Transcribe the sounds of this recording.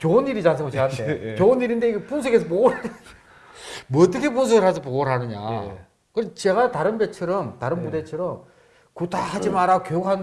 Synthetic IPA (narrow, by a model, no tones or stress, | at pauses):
t͡ɕoːniɾid͡ʑansʰɯŋɡot͡ɕeantʰet͡ɕoniɾindeiɡepunsʰoɡes̬ʰʌpoɡoɾae | mwʌːt͈ʌkʰe̞punsʰoɡɯɭhasʰʌpoɡoɭɦanɯɲa̰ | kɯɾʌt͡ɕe̞ɡataɾɯnbet͡ɕʰɯɾʌmtaɾɯnbudet͡ɕʰɯɾʌm | kɯtahad͡ʑimaɾaɡokjojokɦan